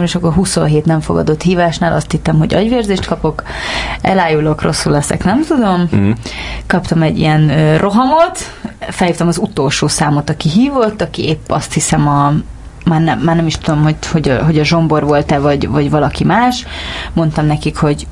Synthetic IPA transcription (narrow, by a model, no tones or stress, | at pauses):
eːʃɒkːorɦuso̞̰nɦeːt̪nɛɱfoɡɒ̰d̪o̞t̪hiːvaːʃnaːlʔɒst̪hit̪ːɛmɦo̞̰ɟɒ̰ɟʋeːrzeːʃt̪kɒpo̞kɛ̰laːjulo̞kro̞sːulːɛsɛ̰knɛmt̪ud̪o̞m | kɒpt̪ɒmɛɟːḭjɛnørʔo̞ɦɒmo̞t̪ | fɛlhiːft̪ɛmɒzut̪o̞lʃoːsaːmot̪ɒkiɦiːvo̞t̪ːɒkieːpːɒ̰st̪hisɛmɒ | maːrnɛmːaːrnɛmiʃt̪ud̪o̞mho̞ho̞ɟɒ̰ɦo̞ɟɒʒo̞mbo̞rvo̞lt̪ɛvɒɟvɒɟvɒlɒkimaːʃmo̞n̪t̪ɒmnɛkikho̞ɟ